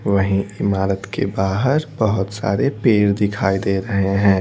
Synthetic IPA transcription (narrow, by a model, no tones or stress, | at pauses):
ʋɐɦĩɪmaːɾət̪kḛbaːɦəɾbɐɦʊt̪sa̰ːɾepeːɾd̪ɪkʰaːid̪eːɾɐɦeɦɛ̃ː